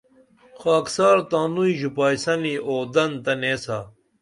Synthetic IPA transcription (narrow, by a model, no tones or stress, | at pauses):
xaːksaːɾt̪aːnuiʑupaːjsɐniʔoːd̪ɐnt̪ɐneːsa